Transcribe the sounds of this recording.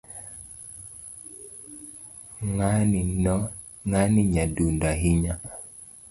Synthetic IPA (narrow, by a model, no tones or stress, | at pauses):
ŋannɔ | ŋaniɲadundaɦiɲa